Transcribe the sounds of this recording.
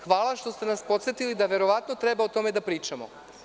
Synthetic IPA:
xʋaːlˠaʃt̪o̞st̪enaspo̞t̪set̪ilid̪aʋeɾo̞ʋat̪not̪ɾebaot̪o̞med̪apɾiːt͡ʃamo̰

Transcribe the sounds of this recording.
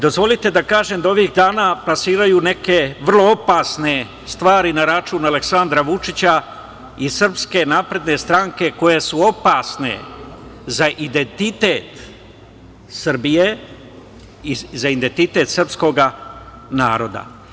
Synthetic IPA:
d̪o̞zʋo̞lit̪e̞d̪akaːʒemd̪ao̞ʋiɣd̪aːnaːplasiːɾajuːne̞ke̞ʋr̩lˠo̞o̞paːsne̞ | st̪ʋaːɾinaɾat͡ʃuːnale̞ksand̪ɾaʋut͡ʃit͡ɕa | isr̩pske̞naːpɾe̞d̪ne̞st̪ɾaŋke̞ko̞je̞suo̞paːsne̞̰ | zaʔid̪e̞nt̪it̪eːt̪ | sr̩bije | izaind̪e̞nt̪it̪e̞t̪sr̩psko̞ɡa | na̰ːɾo̞d̪a̰

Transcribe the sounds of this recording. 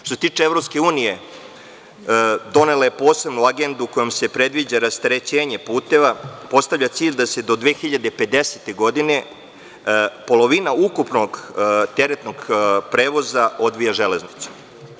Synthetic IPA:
t̪oset̪iːt͡ʃeevɾo̞pske̞uːnije̞ | d̪o̞ne̞laje̞po̞ːse̞bnuaɡe̞nd̪uko̞jomse̞pɾe̞d̪ʋid͡ʑaɾast̪ɾe̞t͡ɕe̞ːɲe̞puːt̪e̞ʋapo̞st̪aʋʎat̪siːʎd̪ase̞d̪o̞d̪ʋeːxiʎad̪e̞pe̞d̪e̞set̪e̞ɡo̞d̪ine̞ | po̞lˠo̞ʋinaukupno̞ɡt̪eɾet̪no̞ɡpɾe̞ːʋo̞zao̞d̪ʋijaʒe̞le̞znit̪su̥

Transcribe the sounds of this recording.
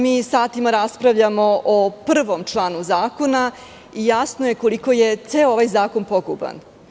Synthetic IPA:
miːsaːt̪imaɾaspɾaʋʎamoʔopr̩ʋomt͡ʂlˠaːnuzaːko̞na | ijasnojeko̞liko̞jet̪seːoʋajzaːko̞npoɡṵba̰n

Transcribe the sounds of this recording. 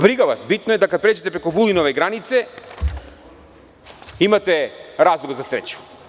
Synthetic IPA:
bɾiɡavasbit̪noɛd̪akapɾɛt͡ʃɛt̪ɛpɾɛkuvulˠinovɛɡɾanit̪sɛ | imat̪ɛɾazlˠuɡzasɾɛ̰t͡ʃu̥

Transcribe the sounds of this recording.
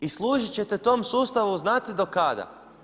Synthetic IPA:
islˠuːʒit͡ɕe̞t̪et̪o̞msuːst̪aʋuznat̪id̪o̞kad̪a̰

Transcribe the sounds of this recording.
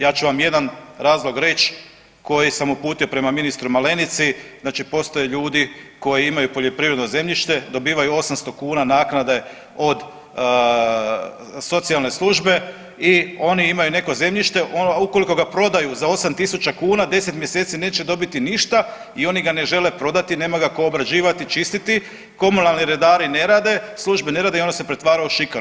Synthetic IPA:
jaːt͡ɕuʋamje̞d̪anɾaːzlˠo̞ɡɾe̞t͡ɕ | ko̞jisamupuːt̪io̞pɾe̞maminist̪ɾumale̞nit̪siznaːt͡ʃipo̞st̪o̞jeʎuːd̪iko̞jiimajupo̞ʎo̞pɾiʋɾe̞d̪no̞ze̞mʎiʃt̪e̞d̪o̞biːʋajuo̞samst̪o̞kuːnanaːknad̪e̞ | o̞d̪ | so̞t̪sijalˠne̞slˠuʒbe̞ | io̞niimajune̞koze̞mʎiʃt̪e̞ʔouko̞liko̞ɡapɾo̞d̪ajuzao̞samt̪isut͡ʃakuːnad̪e̞se̞t̪mje̞se̞ːt̪sine̞ːt͡ʃed̪o̞bit̪iniʃt̪a | io̞niɡane̞ʒe̞le̞pɾo̞d̪at̪ine̞ːmaɡako̞ːbɾad͡ʑiːʋat̪it͡ʃist̪it̪i | ko̞munalˠniɾe̞d̪aːɾine̞ɾaːd̪e̞slˠuʒbe̞ne̞ɾaːd̪eio̞ndose̞pɾe̞t̪ʋaːɾauʃikaɾ

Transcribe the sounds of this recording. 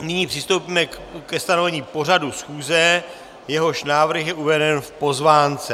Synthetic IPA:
nɪɲiːpr̥ɪst̪owpiːmɛ | kɛst̪ano̞vɛɲiːpo̞r̝adusxuːzɛ | jɛɦo̞ʃnaːvr̩xjɛʔuvɛdɛnfpo̞zvaːnt͡sɛ

